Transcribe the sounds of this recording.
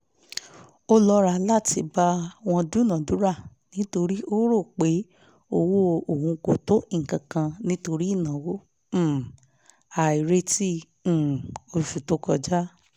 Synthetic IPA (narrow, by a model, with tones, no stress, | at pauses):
o˦lɔ˧ɾa˧la˦ti˧ba˦w̃ɔ̃˧du˦nã˨du˨˦ɾa˦˨ | nĩ˨˦to˧ɾi˦ʔo˦ɾo˦˨k͡pe˨˦ | o˧wo˦o˨hũ˧ko˨to˦˨ŋ̩˨kã˨kã˧nĩ˦to˧ɾi˦i˦˨nã˨wõ˦˨ | a˨i˨ɾe˦tĩ˦˨ | o˧fu˨to˨˦kɔ˧d͡ʒa˦